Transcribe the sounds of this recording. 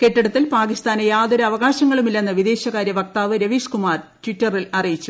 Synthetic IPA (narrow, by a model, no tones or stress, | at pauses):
ke̞ʈːɐɽɐt̪ːilpaːkist̪aːnejaːd̪oɾɐɐʋɐɣaːɕɐŋːɐɭumilːɐnːɐʋid̪e̞ːɕɐkaːɾjɐʋɐk̚t̪aːʋɨɾɐʋiːʂkumaːrʈʋiʈːɐrilɐrijit͡ɕːu̥